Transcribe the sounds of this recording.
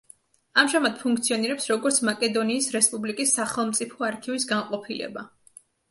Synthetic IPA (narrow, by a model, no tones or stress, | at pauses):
amʒamad̪̥̚pʰuŋk̚ʰt̪sʰiɔniɾɛpsɾɔɡɔɾt̪sʰmakʼɛd̪ɔniːsɾɛspʼublikʼisːaχɛlˠmt̪sʼipʰɔaɾkʰivisɡaŋqʼɔpʰilɛ̰ba